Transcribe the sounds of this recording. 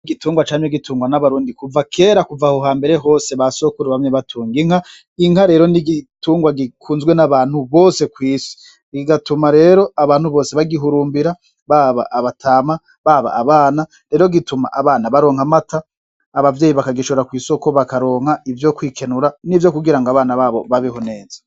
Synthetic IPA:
niɡituːŋɡwat͡ʃaːɲeɡitʰuːŋɡwanaβaɾuːndikuvakʰe̞ːɾakuvahoɦaːmbe̞ɾe̞ɦo̞ːse̞βaso̞kuɾeβamɲeβatʰuːŋɡiŋ̥ha | iŋ̥haɾe̞ːɾo̞niɡituːŋɡwaɡikʰuːnzɡwe̞naβaːn̥huβoːse̞kwiːsi̥ | ɡiɡatumaɾe̞ːɾo̞aβaːn̥huβo̞ːse̞βaɡiɦuɾuːmbiɾa | βaβa̰ʔaβatʰaːma | βaβa̰ːβaːna | ɾe̞ːɾo̞ɡituma̰ʔaβaːnaβaɾo̞ːŋamataː | βavjeːjiβakaɡiʃoɾakwiːsokoβakaɾo̞ːŋ̥aivjo̞kwiːkʰe̞nuɾanivjo̞kuɡiɾaŋɡaβaːnaβaːβo̞βaβiɦone̞ːza

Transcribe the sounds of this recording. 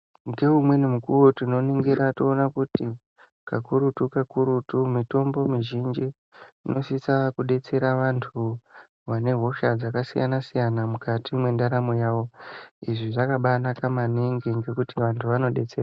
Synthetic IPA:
ŋɡe̞umwe̞nimukuwo̞tino̞niŋɡiɾatoonakuti | kakuɾutukakuɾutumito̞mbo̞miʒind͡ʒi | ino̞sisakuɗe̞t͡se̞ɾaʋantʰu | ʋane̞ɦo̞ʃad͡zakasija̰nasijanamukatʰimwe̞ndaɾamojaːʋo̞iʐiʐakaɓanakamaneŋɡiŋɡe̞kutiʋantʰuʋano̞ɗe̞t͡sera

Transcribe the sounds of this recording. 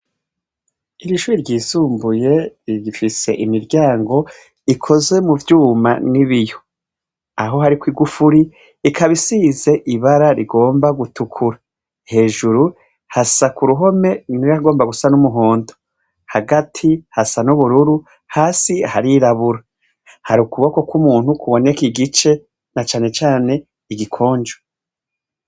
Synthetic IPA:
iɾiʃuːɾiɾɟiːsuːmbuje̞ifise̞̰ʔimiɾɟaːŋɡo̞ | ikʰo̞zwe̞muvjuːma̰niβijo̥ | aɦo̞ɦaɾikwiːɡufuɾiː | kʰaβisize̞ʔiβaɾaɾiɡo̞ːmbaɡutʰukʰuɾa | he̞ːʒuɾu | hasakuɾuɦo̞me̞niɾaɡo̞ːmbaɡusanumuɦo̞ːndo̥ | haɡatʰihasanuβuɾuɾu | haːsihaɾiɾaβuɾa | haɾukuβako̞kumuːn̥hukʰuβo̞nekiɡit͡ʃe̞ | nat͡ʃaːne̞t͡ʃaːne̞ | iɡikʰo̞ːɲd͡ʒo

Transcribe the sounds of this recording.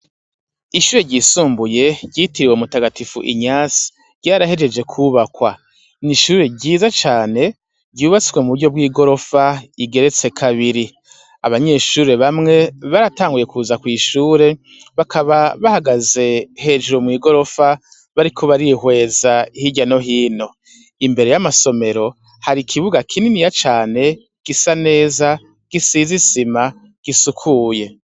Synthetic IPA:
iʃuːɾeɟiːsuːmbuje̞ɟitiɾiweumutaɡatifṵʔḭɲaːsi̥ | ɟ̥aːɾahe̞d͡ʒe̞d͡ʒe̞kʰuːβakwa | niʃuːɾe̞ɟiːzat͡ʃaːne̞ | ɟuːβat͡sikwe̞muβuɾɟo̞b̚ɡiːɡo̞ɾo̞faiɡe̞ɾe̞t͡se̞kʰaβiɾi | a̰βaɲe̞ːʃuːɾeβamŋe̞βaɾataːŋɡuje̞kʰuːzakwiːʃuːɾe̞ | βakʰaβaβahaɡaze̞he̞ːd͡ʒuɾomŋiːɡo̞ɾo̞fa | βaɾikʰo̞βaɾiɦwe̞ːzaihiɟano̞ɦiːno̞ | imbe̞ɾe̞jamaso̞me̞ɾo̞ | haɾikʰiβuɡakʰininijat͡ʃaːne̞ | ɡ̥isane̞ːza | ɡ̥isiːzisima | ɡ̥isukʰuːje̞

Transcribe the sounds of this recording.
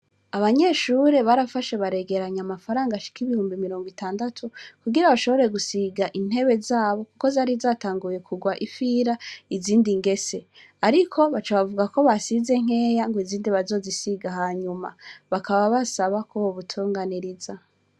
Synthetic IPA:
aβaɲe̞ʃuɾe̞βaɾafaʃeβaɾe̞ɡe̞ɾaɲamafaɾaːŋɡaʃi̥kiβihuːmbimiɾo̞ːŋɡwitʰaːndatʰukuɡiɾaβaʃo̞βo̞ɾe̞ɡusiɡaʔin̥e̞βe̞zaːβo̞kuko̞zaɾizaːtaːŋɡuje̞kʰuɡwaʔifiɾaiziːndiŋɡe̞se̞ | aɾikʰo̞βat͡ʃaβavuɡako̞βasize̞ŋ̥e̞ːjaŋɡoiziːndiβazo̞ːzisiɡaɦaːɲuma̰βakʰaβaβasaβakʰoβoβutʰuːŋɡaniɾiza

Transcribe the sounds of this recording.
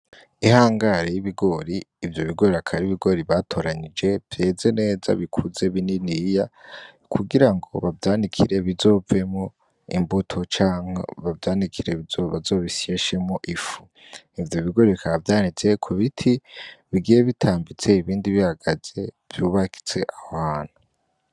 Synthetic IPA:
ihaːŋɡaɾejiβiɡo̞ɾiːvjo̞βiɡo̞ɾiakʰaɾiβiɡo̞ɾiβatʰo̞ɾaɲid͡ʒe̞vje̞ze̞ne̞ːza̰βikʰuze̞βininija | kʰuɡiɾaŋɡo̞̰βavjaːndikʰiɾe̞βizo̞ve̞mo | ḭmbutʰo̞t͡ʃaːŋ̥o̰βavjaːndikʰiɾe̞βizoβazo̞ːβisieʃemoʔifu | ivjo̞βiɡo̞ɾiβikaɾavjaːnit͡se̞kʰuβitʰiβiɡijeβitʰaːmbit͡se̞iβiːndiβihaɡ̥az̥e̞ | v̥juːβakʰi̥t͡se̞ʔahaːn̥u

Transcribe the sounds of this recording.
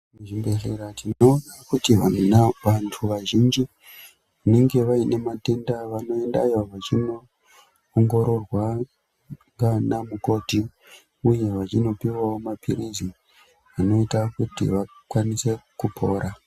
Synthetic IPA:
ʐimbeɬeɾatino̞ːnakutiʋanunaʋantʰuʋaʒind͡ʒi | ʋane̞ŋɡe̞ʋaine̞mate̞ndaʋano̞e̞nda̰joʋat͡ʃino̞ː | ŋɡo̞ɾo̞rwa | ŋɡanamuko̞ti | uje̞ʋat͡ʃino̞piwawo̞mapirizi | ʋano̞itakutḭʋakwanise̞kupʰo̞ːɾa

